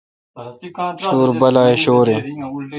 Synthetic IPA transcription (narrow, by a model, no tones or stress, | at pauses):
ɕoːɾbɐlaːeɕoːɾe